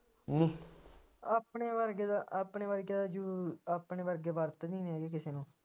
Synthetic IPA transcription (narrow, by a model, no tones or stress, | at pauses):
nĩː | aːpɳeːʋəɾɡed̪aʔaːpɳeːʋəɾɡeːd̪aːd͡ʒoːaːpneːʋəɾɡeːʋəɾt̪ːd̪iːnɛːɡeːk̬ɪseːnũː